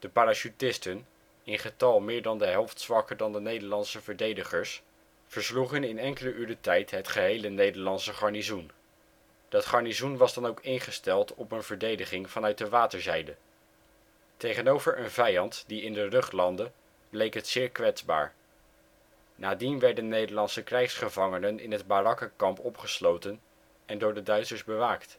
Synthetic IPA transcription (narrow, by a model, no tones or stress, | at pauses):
d̥əpaːɾaʃytɪstən | ɪnχətɑlˠmɪːɹdɑndəɦɛlˠftsʋɑkəɹdɑndənejdəɹlɑnsəvəɹdejdəχəɹs | fəɹsluχənɪnɛŋkələʔyːɹɾətɛjtɦətχəɦejlənejdəɹlɑnsəχɑɹnizun | d̥ɑtχɑɹnizunʋɑzdɑnowkɪnχəstɛlˠtʰɔpənvəɹdejdəχɪŋv̥ɑnœɥt̚dəʋaːtəɹzɛjdə | tejχənowvəɹʔənvɛjɑntdiɪndərɵχtlɑndə | blejkɦətsɪːɹkʋɛtzba̰ːɹ | naːdinʋɛɹdənnːejdəɹlɑnsəkrɛjχsχəvɑŋənənɪ̰nɦəd̚barɑkəkɑmpɔpχəslowtən | ɛndʊːɹdədœɥtsəɹzbəʋaːkt